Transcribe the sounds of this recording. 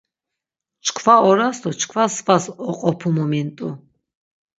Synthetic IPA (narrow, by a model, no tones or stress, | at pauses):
t͡ʃʰkʰvaɔɾasd̪ɔt͡ʃʰkʰvasvasɔqʼɔpʰumɔmɛnt̪ʼu